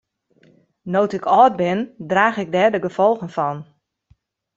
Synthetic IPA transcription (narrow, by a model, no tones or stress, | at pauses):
nowtɪkʰɔːd̚bɪndraːɣɪɡ̚dɛːdəɡəfɔlˠɣənfɔn